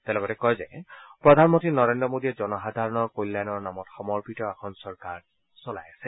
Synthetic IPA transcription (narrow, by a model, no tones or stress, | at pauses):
tɛʊlɔɡɔtɛkɔjzɛ̰pɹɔdʱanmɔntinɔɹendɹɔmodiɛzɔnɔxadʱaɹɔnɔkojlːanɔɹnamɔtxɔmɔɹpitɔaxʰɔnsɔɹkaɹ | sɔlajasɛ